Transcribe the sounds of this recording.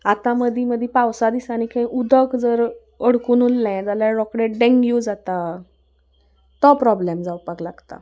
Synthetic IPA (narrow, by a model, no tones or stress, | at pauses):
at̪aməd̪ʱiməd̪ʱipawsad̪isañikʰə̃ĩʔud̪ʱəkd͡zəɾ | əɽkuːnulːɛ̃d͡zalaɾɔkɽeʈɖɛ̃ŋɡjud͡zat̪a | t̪ɔpɾɔblɛmd͡zawpəklaɡt̪a̰